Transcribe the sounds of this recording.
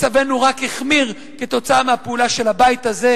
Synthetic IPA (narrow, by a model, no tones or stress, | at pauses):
t͡save̞nuʁakheχmiʁ | ket̪o̞t͡saamehapeulaʃe̞labajt̪aze̞